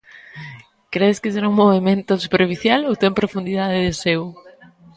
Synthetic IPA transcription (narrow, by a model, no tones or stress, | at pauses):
kɾeðeskɪseɾauŋmoβemẽnt̪ʊsupeɾfiθjalowt̪empɾofund̪iðaðɪðesew